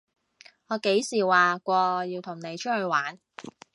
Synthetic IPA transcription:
ŋɔː˨˧ke˨˥jsiː˨˩waː˨kʷɔː˧˨˧jiː˧wt̪ʰʊ˨˩ŋne˨˧jt͡ʃʰɵ˥hɵ˧ɥwaː˨˥n

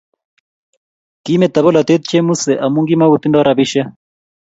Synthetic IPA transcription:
ki˦mɛ˨t̪a˨βɔ˦la˨t̪e˦t̪t͡ʃɛ˦mu˦sɛ˨ʔa˨mu˦ŋɡi˦ma˦u˨t̪i˦ndɔ˦ɾa˨bi˦ʃa˦

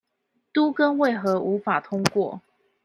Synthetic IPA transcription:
t̪u˦kə˦˥nwe˥˨ɪxɤ˨˥˦ʔu˧˥˦fa˨˩t̪ʰʊ˥ŋkwɔ̰˥˨

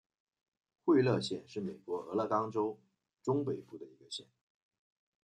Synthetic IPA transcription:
xwe˥˧ɪlɤ˥˧ɕjɛ˥˧nʂɻ̩˥˩me˨˩ɪkwɔ˧˥ɤ˧˥lɤ˥˩kɑ˥ŋʈ͡ʂo˥ʊ | ʈ͡ʂʊ˥ŋpe˨˩ɪfu˥˩d̪ə˩i˧˥ɡə˧ɕjɛ˥˩n

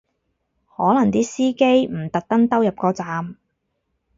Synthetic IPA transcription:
hɔː˨˥lɐ˨˩ŋt̪iː˥siː˥ke˥jm̩˨˩t̪ɐ˨k̚t̪ɐ˥ŋt̪ɐ˥wjɐ˨p̚kɔː˨˧t͡saː˨˧m

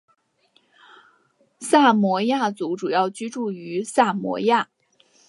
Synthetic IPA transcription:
sa˥˩mwɔ˧˥ja˥˩t͡su˧˥ʈ͡ʂu˨˩jɑ˥˩ʊt͡ɕy˥ʈ͡ʂu˥˩y˧˥sa˥˩mwɔ̰˧˥ja˥˩

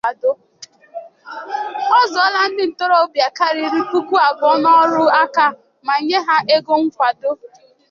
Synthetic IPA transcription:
a˨do˦ | ɔ˦zɔ˦la˦n̩˦dɪ˦n̩˨to˦ɾɔ˦o˦bja˨ka˦ɾi˨˦ɾi˦ku˦kʷu˦a˨bɔ˦nɔ˦ɾʊ˦a˦ka˦˨ | ma˨ɲe˦ɦa˦ʔe˦ɡo˦ŋ̩˦kʷa˨do˦

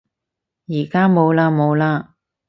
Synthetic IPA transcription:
jiː˨˩kaː˥mo˨˧wlaː˧mo˨˧wlaː˧

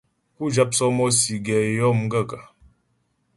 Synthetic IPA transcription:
ku˦d͡ʒa˦p̚sɔ˦mɔ˦si˨ɡɛ˨jɔ˦m˦ɡə˦˨ka˨

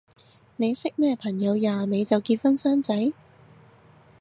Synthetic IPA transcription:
ne˨˧jsɪ˥k̚mɛː˥˩pʰɐ˨˩ŋjɐ˨˧wjaː˨me˨˧jt͡sɐ˨wkiː˧t̚fɐ˥nsœː˥ŋt͡sɐ˨˥j

